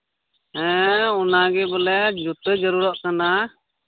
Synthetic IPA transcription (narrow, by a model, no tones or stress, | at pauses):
ɦɛ̃ɔnaɡɛbɔlɛd͡ʒut̪əd͡ʒəɾuɾɔʔkana